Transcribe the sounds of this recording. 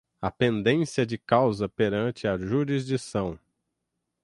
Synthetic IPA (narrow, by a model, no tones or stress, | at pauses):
ɐpẽnd̪ẽsiɐd͡ʒɪkawzɐpeɾɐ̃nt͡ʃɪɐʒuɾizd͡ʒisɐ̃w̃